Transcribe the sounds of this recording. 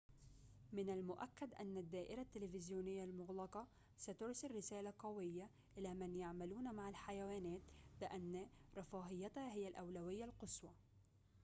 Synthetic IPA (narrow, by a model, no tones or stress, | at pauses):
mɪnalmʊʔakːad̪ʔanːad̪ːaːʔɪɾat̪ːɪlɪfɪzjuːnɪjːalmʊɣlɑqɑ | sat̪ʊɾsɪlːɪsaːlaqɑwɪjːa | ʔɪlamanjaʕmaluːnmaʕalħajawaːnaːt̪bɪʔanːaɾˤɑfɑːɦɪjːat̪haɦɪjːalʔawlawɪjːalqɨswɑ